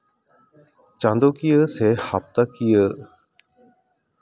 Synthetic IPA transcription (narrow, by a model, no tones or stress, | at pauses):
t͡ʃãːnd̪oːkijəseːhap̚t̪akijə